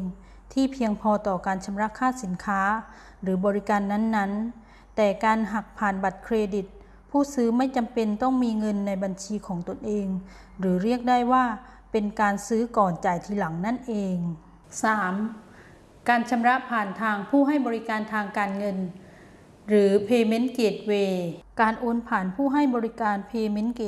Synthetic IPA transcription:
ŋ | t̪ʰiː˥˩pʰi˧əŋpʰɔː˧t̪ɔː˨˩kaː˧nt͡ɕʰa˧mɾa˦˥ʔkʰaː˥˩si˩˦nkʰaː˦˥ | ɾɯː˩˦bɔː˧ɾi˦˥kaː˧nːa˥˨nːa˦˥n | t̪ɛː˨˩kaː˧nɦa˨˩k̚pʰaː˨˩nba˨˩t̪̚kʰɾeː˧di˨˩t̪̚ | pʰuː˥˩sɯː˦˥ma˥˩jt͡ɕa˧mpe˧nt̪ɔ˥˩ŋmiː˧ŋɤ˧nːa˧jba˧nt͡ɕʰiː˧kʰɔː˩˦ŋt̪o˧nʔeː˧ŋ | ɾɯː˩˦ɾi˥˩ək̚da˥˩jwaː˥˩ | pe˧nkaː˧nsɯː˦˥kɔː˨˩nt͡ɕa˨˩jt̪ʰiː˧la˩˦ŋna˥˩nʔeː˧ŋ | saː˩˦m | kaː˧nt͡ɕʰa˧mɾa˦˥ʔpʰaː˨˩nt̪ʰaː˧ŋpʰuː˥˩ɦa˥˩jbɔː˧ɾi˦˥kaː˧nt̪ʰaː˧ŋkaː˧nŋɤ˧n | ɾɯː˩˦pʰeː˧me˦˥nkeː˨˩t̪̚weː˧kaː˧nʔoː˧npʰaː˨˩npʰuː˥˩ɦa˥˩jbɔː˧ɾi˦˥kaː˧npʰeː˧me˦˥nkeː˨˩

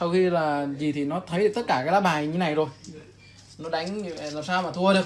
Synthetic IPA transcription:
sa˧wxi˧laː˨˩zi˨˩t̪ʰi˨˩nɔ˨˦t̪ʰə˨˦jɨ˨˩t̪ə˦˥t̚kaː˧˩kaː˨˦jlaː˨˦˥ɓaː˨˩j̪e˨˦na˨˩jzo˨˩j | nɔ˨˦ɗa˨˦ŋ˧vlaː˨˩msaː˧wmaː˨˩t̪ʰu˧əɗɨ˨˩ək

